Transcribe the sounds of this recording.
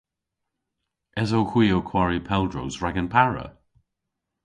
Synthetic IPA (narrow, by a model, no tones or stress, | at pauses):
ɛzowxwiːowkʰw̥aɹipʰɛlˠdɹowzɹaɡənpʰaɹə̰